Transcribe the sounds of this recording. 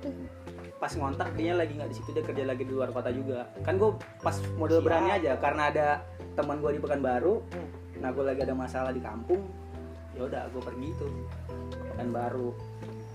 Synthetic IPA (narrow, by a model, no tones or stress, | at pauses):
pasŋont̪ak̚kɾiɲalaɡiŋɡaʔdisit̪udakərd͡ʒalaɡidiluarkot̪ad͡ʒuɡakanɡua | pasmodɛlbəɾaniad͡ʒakaɾənaːda | t̪əmənɡuadibəkanbaɾu | nahɡualaɡiadamasalahdika̰mpʊŋ | jauda̰ɡuapərɡit̪u | pəkanbaɾu